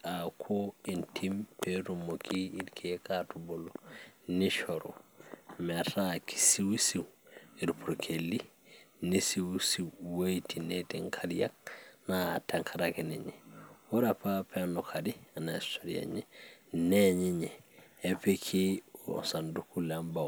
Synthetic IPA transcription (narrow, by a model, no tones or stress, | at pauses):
akʰointʰimpeɾumokʰiiɾkʰekatuboloniʃoɾo̰metaki̥siwisiwiɾpuɾkʰelːi | nisiwusiwwejtinetiŋkʰaɾija̰k̚nateŋkʰaɾakineɲewoɾapapeanokʰadianaistoɾia̰ɲeneɲiɲeepekʰḭsandukulambaw